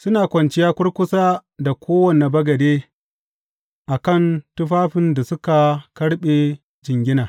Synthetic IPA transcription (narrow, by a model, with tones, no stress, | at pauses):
sʊ˦naː˨kʷɐ˨nt͡ʃɪ˦jaː˦kʷʊ˦ɽkʷʊ˦saː˦da˨kʷʰoː˦wɐ˨ne˨bɐ˦ɡɐ˨deː˦ | ʔa˨kɐ˦˨ntʊ˦ɸaː˦ɸɪ˦nda˨sʊ˦ka˨kɐ˦ɽɓeː˨ | d͡ʒɪ˨ŋɡʲɪ˦naː˨